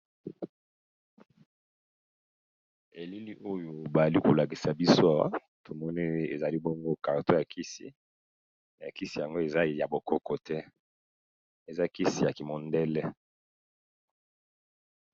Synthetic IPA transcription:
e˨li˦li˦ʔo˦jo˨ba˨za˨li˦ko˨la˨ki˨sa˨bi˦so˦a˨wa̰˦ | tʰo˨mɔ˦ni˦e˨za˨li˦bo˦ŋɡo˦ka˨ʁto˦ja˨kʰi˦si˨ | ja˨ki˦si˨ja˨ŋɡo˦e˨za˦ja˨bo˨kɔ˦kɔ˨tɛ˦ | e˨za˦ki˦si˨ja˨ki˨mo˨ndɛ˦lɛ˦

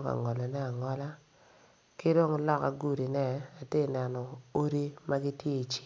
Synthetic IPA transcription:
ka̰˨ŋɔ˨lɔ˨nɛ˦a˨ŋɔ˦la˦ | kɪ˦do˦ŋlɔ˦ka˨ɡu˦ɾi˨nɛ˦a˨te˦˨nɛ˨nɔ˨o˦ɾi˦ma˦ɡɪ˦tje˦i˨t͡ʃi˦˨

